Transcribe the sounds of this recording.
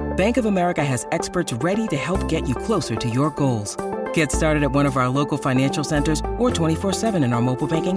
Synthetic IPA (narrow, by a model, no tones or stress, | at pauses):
b̥æ̃ŋkʌvəmɛɹɨkɨɨzɛkspə˞tsɹɛɾiɾɨhɛlˠp̚ɡ̥ɛt͡ʃɨkʰl̥oʊsə˞ɾɨjə˞ɡoʊlˠz̥ɡ̥ɛtstɑɹɾɨɾɨt̚wʌ̃ɾ̃ʌvaʊə˞loʊkl̩ˠfãɪnæ̃nʃl̩ˠsɛ̃ntə˞zə˞tʰw̥ɛ̃ɾ̃ifɔɹsɛvɨ̃ñɨ̃naə˞moʊpl̩ˠbæ̃ŋkɪ̃ŋ